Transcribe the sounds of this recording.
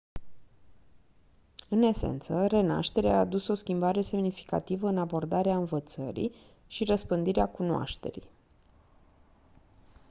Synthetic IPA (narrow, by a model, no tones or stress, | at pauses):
ɨne̞sḛnt̪səre̞na̰ʃt̪e̞ɾeaːd̪uso̞skʲimbaɾe̞se̞mnifi̥ka̰t̪ivəɨnabo̞rd̪aɾeaɨnvət̪sə̰ɾḭ | ʃirəspɨnd̪iɾeakunoa̰ʃt̪e̞̰ɾḭj